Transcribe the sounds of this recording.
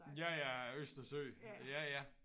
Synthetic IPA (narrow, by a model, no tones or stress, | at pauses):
jæjæøsd̥ɐsøjæjæ